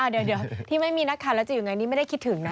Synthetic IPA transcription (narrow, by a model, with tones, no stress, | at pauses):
ʔa˧˩ddeː˧˦˩t̪ʰiː˥˩ma˥˩jmiː˧na˦˥kʰːaː˨˩lɛː˦˥wt͡ɕa˨˩juː˨˩ŋa˧jni˦˥m˥jda˥˩jkʰi˦˥t̪̚ʰːɯ˨˩˦ŋna˦˥